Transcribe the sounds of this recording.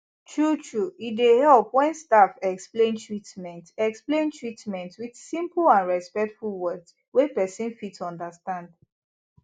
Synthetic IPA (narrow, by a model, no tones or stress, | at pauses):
tʰɹutʰɹuitdehɛlˠpwɛ̃nstafɛksplẽntʰɹitmɛ̃ntɛksplẽntʰɹitmɛ̃ntwid̥sĩmplãnɹɛspɛk̚tfulwɜks | wepɛsĩnfitɔ̃ndəstãnd